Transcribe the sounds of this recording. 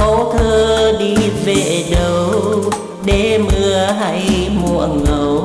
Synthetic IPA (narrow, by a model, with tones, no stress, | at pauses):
o˨˦t̪ʰəː˧ɗi˧ve˧˨˩ɗə˨˧˩w | ɗe˨˩˦mɨ˧əɦa˧jmu˧˩əŋə˨˦w